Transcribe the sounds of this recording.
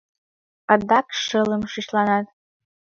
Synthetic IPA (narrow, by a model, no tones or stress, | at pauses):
ɑd̪ɑkʃələmʃiʃlˠɑnɑt̪̚